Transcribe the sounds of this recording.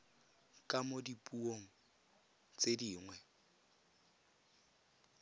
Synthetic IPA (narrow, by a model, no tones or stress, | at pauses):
kʼamodipʼuoŋ̩ | t͡sʼediːŋwɛ